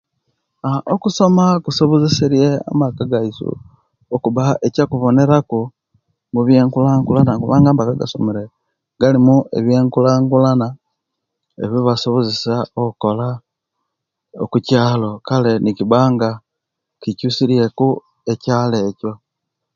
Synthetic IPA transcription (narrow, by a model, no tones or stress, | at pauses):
aʔokuso̞makusoβozisiɾje̞a̰makaɡaisṵ | okuβaʔecakuβo̞ne̞ɾaku | muβje̞ːŋkulaːŋɡulanakuβaːŋɡamakaɡa̰so̰meɾe | ɡalimuḛβjeːŋkulaːŋɡulana | ḛβiβasoβozisaokuko̞la | okucaːlo̞kale̞nikiβaːŋɡa | kicusiɾje̞ku | e̞caːle̞ːco̞